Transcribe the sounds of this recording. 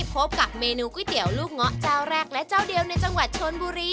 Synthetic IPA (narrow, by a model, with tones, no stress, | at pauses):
pʰo˦˥p̚ka˨˩p̚meː˧nuː˧kwi˦˥˩t̪i˩˦əwluː˥˩k̚ŋɔ˦˥ʔt͡ɕaː˥˩wɾɛː˥˩k̚lɛ˦˥t͡ɕaː˥˩wdi˧əwna˧jt͡ɕa˧ŋwa˨˩t̪̚t͡ɕʰo˧nbuː˧ɾiː˧